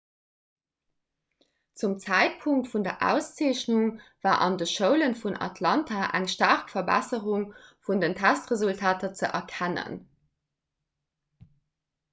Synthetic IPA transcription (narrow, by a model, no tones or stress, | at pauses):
t͡sumt͡sæɪt̚pʰuŋk̚tfundɐʔæ̰ʊst͡seːɕnuŋv̥aːʔɑ̰ndəʃəʊlənfunɑ̰tʰlɑntʰaʔæ̰ŋʃtaʁkfɐbæ̰səʁuŋfundəntʰæstʁəzultʰaːtɐt͡səʔɛɐkʰænə̰n